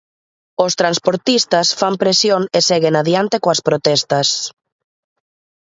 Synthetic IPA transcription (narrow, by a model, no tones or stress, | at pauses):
ost̪ɾanspoɾt̪ist̪ɐsfampɾesjoŋesɛɣenaðjant̪ekoaspɾot̪ɛst̪ɐs